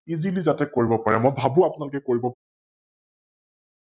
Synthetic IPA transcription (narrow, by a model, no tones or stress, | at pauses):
izilizatɛkoɹibɔpaɹɛmɔjbʱabũapʊnalʊkɛkoɹibɔp